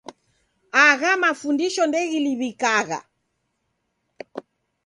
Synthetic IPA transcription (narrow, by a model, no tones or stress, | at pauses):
aɣamafundiʃɔndɛɣiliβikaɣa̰